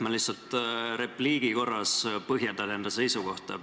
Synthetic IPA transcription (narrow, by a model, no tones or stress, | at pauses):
mɑliht̪sɑlt̪ɾe̞pliːɡ̥iko̞rːɑspɤɦjend̪ɑd̪end̪̥ɑse̞jsuko̞ht̪ɑ̰